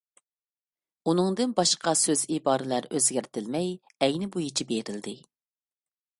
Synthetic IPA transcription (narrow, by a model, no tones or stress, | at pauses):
unɨŋd̪ɨnbɑʃqɑsøzibɑːɾɨlæɾøzɡʲæɾt̪ʰɪlmɛj | ɛjnɪbujit͡ʃʰibeɾɪld̪ɪ